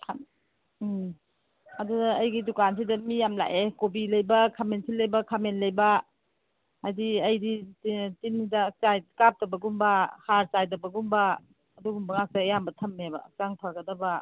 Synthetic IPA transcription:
kʰa | ɐdudaɐjɡidukans̬idɐmijamla̰ʔekobilɐjbɐkʰamensʰilɐjbɐkʰamenlɐjbɐ | ajdiɐjditinidɐt͡ʃajkap̚tɐbɐɡumbɐhaɾsajdɐbɐɡumbɐː | duɡumbɐŋak̚sajambɐtʰɐmːebɐak̚t͡ʃaŋtʰaɡɐdɐbɐ

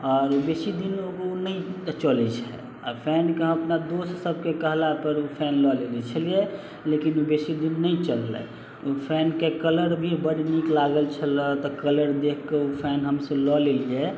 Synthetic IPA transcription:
ɔːɾubesid̪inoonəĩt͡ʃəlɛt͡ʃʰɛ̰ | ɔpʰɛnkeəpnad̪ossəb̚kekəɦlapəɾupʰɛnlɔlelit͡ʃʰəlije | lekinubesid̪inːəĩt͡ʃəlːə̰ | opʰɛnkekələɾbʱibəɽniklaɡəlt͡ʃʰələt̪ɔkələɾd̪ekʰkeupʰɛnɦəmsə̃lɔlelie

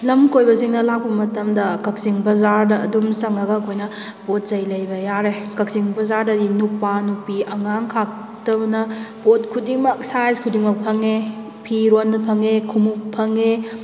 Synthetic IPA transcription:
lɐmkojbɐsiŋnɐlak̚pɐmɐtɐmdɐkɐk̚siŋbɐzaɾdɐːdumsɐŋɐɡɐkʰojnɐ | bot̚zɐjlɐjbɐjaɾekɐk̚siŋbɐzaɾdɐdinupanupiɐŋaŋkʰak̚ | tɐbnɐbotkʰudiŋmɐksajzkʰudiŋmɐk̚pʰɐŋe | pʰiɾonːɐpʰɐŋekʰumuk̚pʰɐŋe

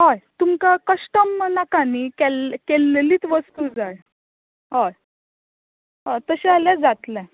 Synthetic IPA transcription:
ɦajt̪umkakəʂʈəmnakanikɛlkelːeliːt͡sʋəst̪uːd͡zaɭ | ɦaj | ɦat̪əɕɛaljad͡zat̪lɛ̃

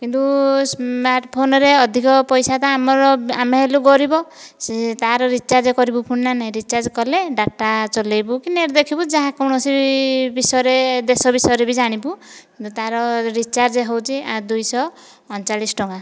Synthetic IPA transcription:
kint̪usmaɾʈpʰonɔɾeɔd̪ʱikɔpɔjsat̪aːmɔɾɔameɦeluɡɔɾibɔ | t̪aɾɔɾit͡ʃaɾd͡ʒekɔɾibupʰuɽnanaj̃ɾit͡ʃaɾd͡ʒkɔleɖaʈːat͡ʃɔlejbukineɾd̪ekʰibud͡ʒaɦãkɔwɽɔsibisɔɾed̪esɔbisɔjɾebid͡ʒaɽ̃ibukint̪ut̪aɾɔɾit͡ʃaɾd͡ʒeɦowt͡ʃʰiad̪ujsɔː | nt͡ʃalisʈɔŋɡa

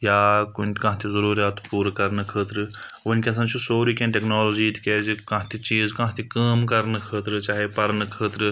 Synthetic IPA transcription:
jaːkunt̪kɐ̃ɦt̪ʰizɐɾuːɾjaːt̪puːɾkɐɾnɨkʰəːt̪ɾɨ | ʋɐnʲkʲeɐs̬ãːt͡ʃʰusoːɾiːkẽnʈeknaːloːd͡ʒiːt̪keːd͡ʒikɐ̃ɦt̪ʰit͡ʃiːzkɐ̃ɦt̪ʰikaːmkɐɾnɨkʰəːt̪ɾɨt͡ʃaːɦepɐɾnɨkʰəːt̪ɾɨ

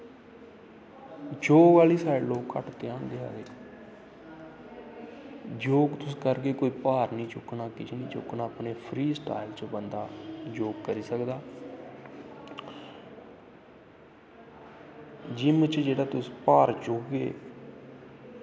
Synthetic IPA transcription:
d͡ʒoːɡʋaːliːsaːɾeloːɡkə̰ʈt̪eːãːnd̪eːa̰ːɡeː | d͡ʒoːɡt̪ʊskəɾkeːkoːiːpaːɾnĩːt͡ʃʊknaːkɪt͡ʃʰːnĩːt͡ʃʊ̰knaːpneːpʰɾiːsʈa̰ːɪlt͡ʃbənd̪aːd͡ʒoːɡkəɾiːsəkd̪aː | d͡ʒɪmət͡ʃd͡ʒeːɽaːt̪ʊspaːɾt͡ʃʊkɡḛː

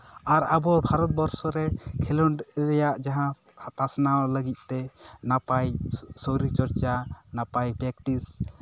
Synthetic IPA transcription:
aɾabɔbʱaɾɔt̪̚bɔɾsɔɾɛkʰɛlɔɳɾɛjaʔd͡ʒaɦã | pasnawləɡit̪̚ˀt̪ɛnapajsɔwɾit͡ʃɔɾt͡ʃanapajpɾɛk̚ʈis

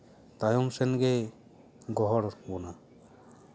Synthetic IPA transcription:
t̪ajɔmsɛnɡɛ | ɡɔɦɔɾbɔna

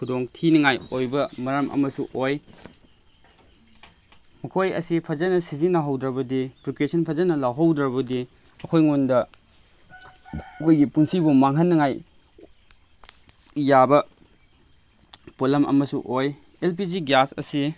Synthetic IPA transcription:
kʰudoŋtʰinɐŋajojbɐmɐɾɐmʔɐ̰mɐsuʔoj | mɐkʰojɐ̰sipʰɐzɐnɐsizinɐɦawdɾɐbɐdipɾikesɐnpʰɐzɐnɐlawɦawdɾɐβɐdi | ɐkʰojŋondɐ | kojɡipunsibumaŋɦɐnːɐŋaj | jabɐ | polɐmɐ̰mɐsṵʔoj | elp̬iziɡasɐ̰si

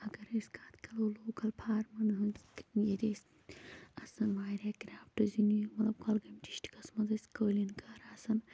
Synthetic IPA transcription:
ɐɡɐɾɐsʲkaːt̪kɐloloːkɐlpʰaːɾmɐnɦɨnjeɾes | ɐsɐnmaːjɾaːkɾʲaːfʈɨzinujimɐlɐb̚kʰɐlɡɐmt͡ʃi̥ʃʈi̥kɐsmɐnzɐsʲkəːlinkaːɾaːsɐn

